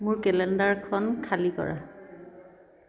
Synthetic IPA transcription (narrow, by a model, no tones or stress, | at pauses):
mʊɹkɛlɛndaɹkʰɔnkʰalikɔ̰ɹa̰